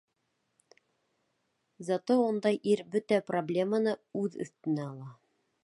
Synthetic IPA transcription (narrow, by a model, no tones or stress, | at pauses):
zɑt̪ound̪ɑjʔiɾbɵt̪æproblʲe̞mənɤʉðɵ̰̆θt̪ɘ̆næɑlˠɑ